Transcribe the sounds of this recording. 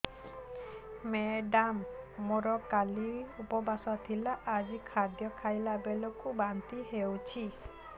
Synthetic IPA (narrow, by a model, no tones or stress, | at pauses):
meɖamːoɾɔkaliupɔbasɔat̪ʰilaʔːd͡ʒikʰad̪jɔkʰajlabelɔkubant̪iɦewt͡ʃʰi